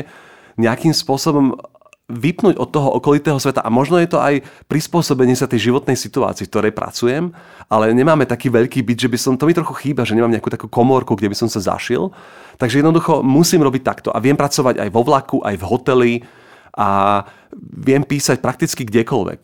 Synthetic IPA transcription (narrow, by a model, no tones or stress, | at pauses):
ɲɛakimspʊɔsɔbɔm | ʋipnuːɟɔ̰t̪ːɔɦɔʔɔkɔlit̪ɛːɦɔsʋɛt̪a̰ʔamɔʒnɔjɛt̪ɔʔajpɾispʊɔsɔbɛɲɪɛsat̪ɛjʒiʋɔt̪nɛjsit̪ua̰ːt͡siːfk̚t̪ɔɾɛjpɾa̰t͡sujɛm | ʔalɛɲɛmaːmɛt̪akiːʋɛʎkiːbid̪ʒɛbisɔmt̪ɔmit̪ɾɔxuxiːbaʒɛɲɛmaːmɲɛakuːt̪akuːkɔmɔɾkuɡɟɛbisɔmsaza̰ʃḭl | t̪aɡʒɛjɛd̪nd̪uxɔmusiːmɾɔbic̚t̪akt̪ɔ̰ʔa̰ʋɛmpɾat͡sɔʋaɟa̰jʋɔʋlakuʔa̰jvɦɔt̪ɛli | ʔa | ʋɪɛmpiːsac̚pɾak̚t̪it͡skiɡɟɛkɔlʋɛ̰k